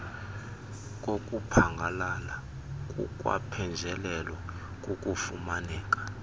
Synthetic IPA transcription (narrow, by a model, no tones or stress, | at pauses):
k̬ʼok̬ʼupʰaŋɡʱalala | k̬ʼṵk̬ʼwa̰pʰɛnd͡ʒʱɛlɛlwa | k̬ʼukʼufumanɛːk̬ʼḁ